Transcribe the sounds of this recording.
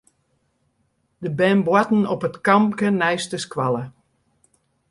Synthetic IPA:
dəbɛmbwatn̩ɔpətkɑmkənɛjstəskwalˠə

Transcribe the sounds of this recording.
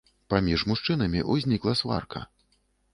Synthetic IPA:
pamʲiʐmuʂt͡ʂɨnɐmʲiʔuzʲnʲiklˠɐsva̰rkɐ̰

